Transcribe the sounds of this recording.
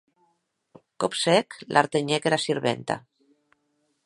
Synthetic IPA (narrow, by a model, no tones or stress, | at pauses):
kopseklʔa̰ɾt̪eɲekeɾasiɾβḛnt̪a̰